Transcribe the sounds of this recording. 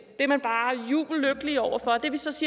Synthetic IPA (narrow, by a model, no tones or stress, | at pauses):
d̥e̝ɐmænb̥ɑ̈ːjṵːb̥l̩løɡ̥əliɒʊɐfɒ̽d̥e̝ɐʋisɒ̽siː